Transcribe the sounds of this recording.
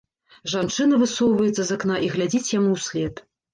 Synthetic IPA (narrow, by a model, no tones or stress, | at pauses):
ʐant͡ʂɨnɐvɨsɔwvɐjɛt̪sɐzaknaʔiɣlʲad͡zʲit͡sʲjamuwsʲlʲɛt̪